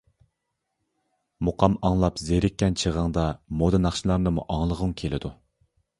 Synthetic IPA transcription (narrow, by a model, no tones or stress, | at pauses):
muqʰɑmɑŋlˠɑpzeɾɪkʲːɛnt͡ʃʰəʁəŋd̪ɑmod̪ɨnɑχʃilˠɑɾnɨmṵʔɑŋlˠəʁʊŋkʲʰelɪ̰d̪u